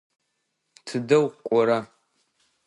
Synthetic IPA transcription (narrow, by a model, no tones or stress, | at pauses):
tʰɨdɐwqʷʼɔɾa